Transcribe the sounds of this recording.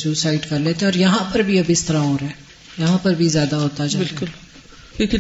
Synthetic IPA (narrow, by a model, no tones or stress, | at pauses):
suːsaːɪɖkɐɾleːt̪ẽɔːɾjɐɦãpɐɾbʱiɐbɪst̪ɐɾaoːɾɦɛː | jɐɦãpɐɾbʱizjaːd̪aɦoːt̪ad͡ʒaːbɪɾlʊl | ɪk